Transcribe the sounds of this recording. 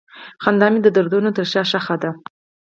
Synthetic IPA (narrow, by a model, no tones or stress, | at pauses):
xand̪ɑmid̪əd̪aɾd̪unot̪əɾʃɑʃaxad̪a